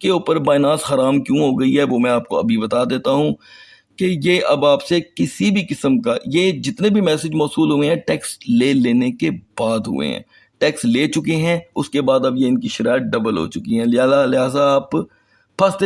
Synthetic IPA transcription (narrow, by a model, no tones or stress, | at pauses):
keʊːpəɾbaːɪnaːsxɐɾaːmkjũːɦoːɡɐiɦɛʋomɛ̃aːp̚koɐ̰bʱibɐt̪ad̪eːt̪aɦũ | kejeːʔɐbaːpsekɪsibʱikɪsəmkajed͡ʒɪt̪nebʱimɛːsɪd͡ʒmɔːsuːlɦʊẽɦɛ̃ʈɛːksleːleːnekebaːd̪ɦʊ̰ḛɦɛ̰̃ː | ʈeːksleːt͡ʃʊkeɦɛ̃ʊskebaːd̪ɐbjeɪnkiʃɪɾaːɪət̪̚ɖɐbəlɦo̰ːt͡ʃʊkiɦɛ̃lɪɦaːzalɪɦaːzaːp | pʰɐst̪e